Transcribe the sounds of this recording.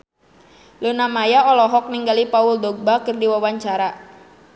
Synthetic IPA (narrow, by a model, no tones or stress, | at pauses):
lunamajaɔlɔɦɔk̚niŋɡalipauldɔɡ̚bakɨrdiwawaɲt͡ʃaɾa